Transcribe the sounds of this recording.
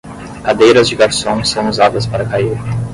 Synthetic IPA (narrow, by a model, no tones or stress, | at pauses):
kad̪ejɾɐzd͡ʒɪɡaɾsõsɐ̃w̃uzad̪ɐspaɾɐkaiɾ